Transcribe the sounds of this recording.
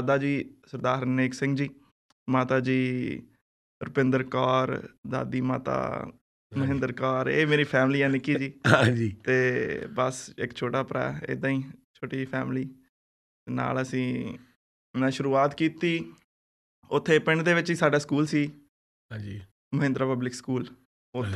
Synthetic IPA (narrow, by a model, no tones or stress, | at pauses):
d̪aːd͡ʒiːsəɾd̪aːɾneːksɪ̃ŋɡd͡ʒiː | maːt̪aːd͡ʒiː | ɾəpɪ̃nd̪əɾkaːɾd̪a̰ːd̪iːma̰ːt̪a̰ː | məɦɪ̃nd̪əɾkaːɾḛːmeːɾiːpʰɛːmliːɛːnɪkːiːd͡ʒiːãd͡ʒiːt̪eːbəsɪ̰kt͡ʃʰoːʈaːpɾɛ̰ːɪ̰d̪ãːĩːt͡ʃʰoːʈiːpʰɛːmɪliː | na̰ːləsĩː | naʃʊɾuːaːt̪kiːt̪iː | ʊt̪ʰːeːpɪɳɖd̪eːʋɪt͡ʃiːsaːɖaːskuːlsiː | d͡ʒ | məɦɪ̃nd̪ɾaːpəblɪkskuːl | ʊ